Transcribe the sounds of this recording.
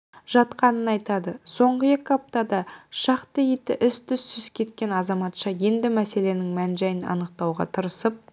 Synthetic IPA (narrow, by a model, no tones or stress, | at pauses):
ʒ̥ɑt̪qɑnənɑjt̪ɑd̪əso̞ɴʁəje̞kʲɪɑp̚t̪ɑd̪ɑʃɑqt̪əjet̪ɪʔʏst̪ʰʏsːʏzkʲʰe̞t̪kʲe̞nɑzɑmɑt̪ʃɑje̞nd̪ɪmæse̞le̞nɪŋmænʒæjɪnɑ̰nəq̚t̪ɑwʁɑ̰t̪ʰəɾəsəp̚